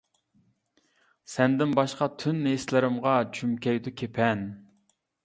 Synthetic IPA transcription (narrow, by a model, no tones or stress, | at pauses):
sɛnd̪ɪnbɑʃqɑt̪ʰynːeslɪɾɪmʁɑt͡ʃʰymkʲʰɛjd̪ukʲʰepʰɛn